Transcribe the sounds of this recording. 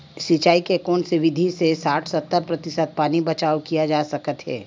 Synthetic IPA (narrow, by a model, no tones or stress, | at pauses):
sɪt͡ʃaːikekoːnseʋɪd̪ʱisesaːʈʰsɐt̪ːəɾpɾɐt̪ɪsəd̪̚paːnibɐt͡ʃaːwkijad͡ʒaːsɐkət̪ɦɛ̰ː